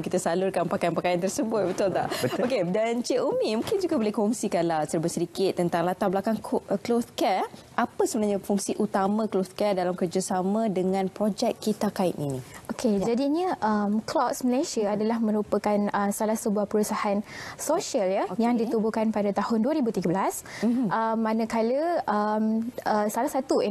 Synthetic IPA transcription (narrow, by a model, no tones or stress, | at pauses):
kit̪asalʊrkanmpakajanpakajant̪ərsəbʊt̪̚bət̪ʊlt̪a̰ʔokedant͡ʃiʔumĩmũŋkɪnd͡ʒuɡabolɪhkoɔuŋsikanlasəɾibʊt̪səɾikɪt̪̚ːənt̪aŋlat̪abəlakaŋkklot̪kɛr | ʔapasəbənarɲafuŋsiʔut̪amãklot̪kɛrdalamkərd͡ʒasamãdəŋãnpɾod͡ʒɛkːkːit̪akaɪ̰t̪̚ninĩokʰed͡ʒadiɲəʔəmklɔsməlasiaadalahmə̃ɾupəkanəmsalahsəbuahpəɾusahansoʃiəljajaŋdit̪ubukanpadat̪ahʊnduaɾibut̪iɡəblasʔəmːãnə̃kaləʔəməsalahsat̪u